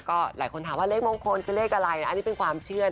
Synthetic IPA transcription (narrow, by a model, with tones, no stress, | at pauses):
kɔː˥˩laː˨˩˦jkʰo˧nt̪aː˨˩˦mwaː˥˩le˦˥k̚moː˧ŋkʰo˧nkʰɯ˧le˥˩kʔa˧ɾa˧ja˧˩ʔniː˦˥pe˧nkʰwaː˧mt͡ɕʰɯ˥˩ɐ